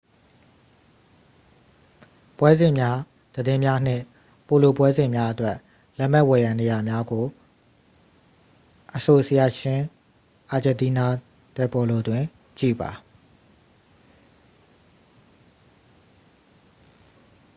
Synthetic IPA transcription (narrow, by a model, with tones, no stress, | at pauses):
pwɛ˦zɪ̃˨mja˦ | d̪̥ədɪ̃˦mja˦n̥ɪ̰̃˦˨ | po˨lo˨pwɛ˦zɪ̃˨mja˦ʔə˦twɛ˦˨ʔ | lɛ˦m̥ɛ˦ʔwɛ˨jã˨ne˨ja˨mja˦ɡo˨ | ʔəso˨sə˨ja˦˨ʃɪ̃˦ | ʔa˨d͡ʑɛ̃˨nti˦na˦ | tɛ˨pɔ˨lo˨dwɪ̃˨ | t͡ɕḭ˦˨ba̰˨